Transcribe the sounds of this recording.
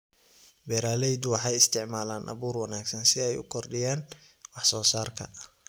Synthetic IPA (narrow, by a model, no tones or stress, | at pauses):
bɛːɾaːlɛjd̪ʊwɑħɑjɪst̪ʰɪʕmaːlaːnʔɐ̰βuːrwɑnaːɡsɐnsɪɛjʊkʰɔrɖɪjaːn | wɑħsɔːsaːrkʰɐ̰